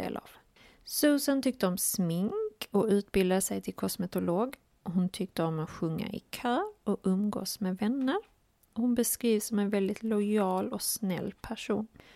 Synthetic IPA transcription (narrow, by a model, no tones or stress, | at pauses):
ḛːla̰v | sʉːsant̪ʰʏk̚t̪əɔmsmɪŋkɔʉ̟ːt̪bɪld̪ad̪əsɛjt̪ʰɪlkʰɔsmɛt̪ʊloːɡ | ɔɦʊnt̪ʰʏk̚t̪əɔmat̪ɧɵŋːa̰ʔɪ̰kʰœːɾɔɵmɡo̰ːsmeːvɛnːəɾ | ɔhʊnbɛskɾiːvsɔmɛnvɛld̪ɪt̪lʊɑːlɔsnɛ̰lːpʰæʂṵːn